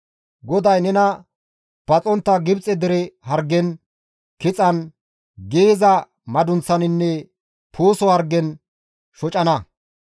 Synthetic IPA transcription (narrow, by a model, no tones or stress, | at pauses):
ɡɔd̪ɐjnɛnɐ | b̥ɐt͡sʼɔnt̪ːɐɡɪbt͡sʼɛd̪ɛɾɛhɐɾɡːɛn | kɪt͡sʼɐn | ɡeːzɐ | mɐd̪ʊnt͡sːɐnɪnːɛ | pʰoːsɔhɐɾɡɛn | ʃɔt͡ʃʼɐnɐ